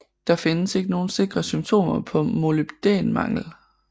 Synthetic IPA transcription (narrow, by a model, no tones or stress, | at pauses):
d̥ɑ̈fe̝nəse̝ɡ̥əno̝ːn̩se̝ɡ̥ʁɐsymt͡sʰo̝̰ːmɐpʰɒ̽mo̝ləbd̥ḛːnmɑ̈ŋ̰l̩